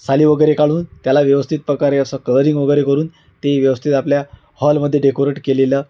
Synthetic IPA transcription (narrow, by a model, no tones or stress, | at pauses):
saliːʋəɡəjɾekaɭuːnt̪jalaʋjəʋəst̪ʰit̪̚pɾəkaɾeəsəkələɾiŋɡʋəɡəjɾekəɾuːn | t̪eʋjəʋəst̪ʰit̪aplja | hɔlməd̪ʱːjeɖekoɾeʈkelelə